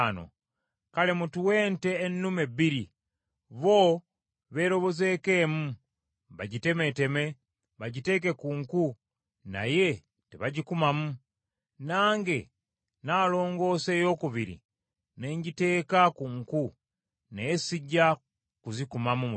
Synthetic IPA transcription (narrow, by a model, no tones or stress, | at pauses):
no̰ | kalemutuwe̞ːnte̞ːnːumebːiɾi | βo̞ | βe̞ːɾo̞βo̞ze̞ːke̞ːmu | βaɟite̞mete̞me̞ | βaɟite̞ːk̬e̞kuːŋku | na̰je̞ | teβaɟikumamu | naːŋɡe̞ | naːlo̞ːŋɡo̞ːse̞ːjo̞kuβiɾḭ | ne̞ːɲɟite̞ːkakuŋku | neːsiɟa | kuzikumamum